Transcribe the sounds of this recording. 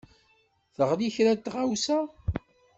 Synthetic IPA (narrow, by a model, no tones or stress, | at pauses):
θəʁliçɾæt̪ːʁawsæ